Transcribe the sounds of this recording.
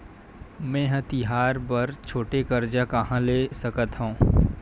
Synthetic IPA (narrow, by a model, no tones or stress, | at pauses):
mɛ̃ːɦɐ̃t̪iɦaːɾbɐɾt͡ʃʰoːʈekɐɾd͡ʒakɐɦãleːsɐkət̪ɦõː